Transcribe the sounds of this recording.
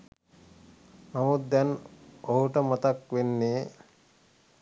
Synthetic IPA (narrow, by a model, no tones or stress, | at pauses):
mamut̪̚d̪ɛnoɦuʈəmat̪akʋenːeː